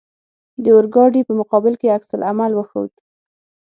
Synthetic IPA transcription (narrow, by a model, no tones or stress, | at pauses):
d̪əʊɾɡɑɖipəmʊqɑbɪlkeaksalʔamalwəxə̰wd̪